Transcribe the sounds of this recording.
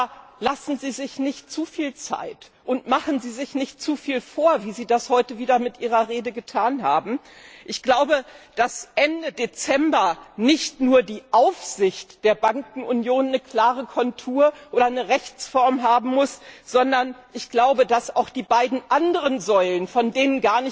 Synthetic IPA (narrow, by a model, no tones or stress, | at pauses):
lasn̩ziːzɪçnɪçt̚t͡sufiːlt͡sa̰ɪtʔʊntmaχn̩ziːzɪçnɪçt̚t͡sufiːlfoːɐviːziːdashɔʏtəviːdɐmɪtʔiːʁ̞ɐʁeːdəɡətʰaːnɦaːbm̩ | ʔɪçɡ̥laʊbəd̥asʔɛndədet͡sɛmbɐnɪçtnuːɐdiːʔaʊfz̥ɪçtd̥eːɐbaŋkŋ̩ʊnjoːnːəkʰl̥aːʁəkʰɔntʰuːɐʔoːɾɐnəʁɛçt͡sfɔɐmɦaːbm̩mʊsz̥ɔndɐnʔɪçɡ̥laʊbədasaʊxd̥iːbaɪdn̩ʔandəʁənzɔʏlənfɔndeːnənɡaːɐnɪ